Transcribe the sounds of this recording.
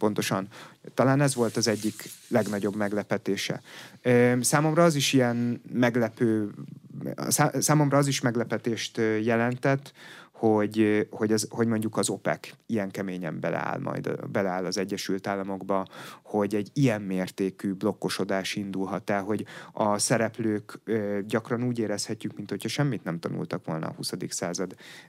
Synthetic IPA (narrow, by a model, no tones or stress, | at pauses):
po̞nt̪o̞ʃɒnt̪ɒlaːnɛzʋo̞lt̪ɒzɛɟːiklɛɡnɒɟo̞bmɛɡlɛpɛt̪eːʃɛ̰øsaːmo̞mrɒɒziʃijɛnmɛɡlɛpøː | sasaːmo̞mrɒɒziʃmɛɡlɛpɛt̪eːʃt̪ːjɛlɛnt̪ɛt̪ːho̞ɟho̞ɟɒzho̞ɟmo̞ɲɟukɒzo̞pɛ̰kijɛŋkɛmeːɲɛ̰mbɛ̰lɛ̰a̰ːlmɒ̰jd̪̰bɛlɛaːlːɒzɛɟːɛʃylt̪aːlːɒmo̞ɡbɒho̞ɟɛɟːijɛmːeːrt̪eːkyblo̞kːo̞ʃo̞d̪aːʃind̪ulɦɒt̪ɛlɦo̞ɟɒsɛɾɛpløːkɟɒkrɒnuːɟeːɾɛshɛcːykmint̪ho̞cʰhɒʃɛmːit̪nɛmt̪ɒnṵlt̪ɒkʋo̞̰lnɒ̰ːhusɒd̪iksaːzɒd̪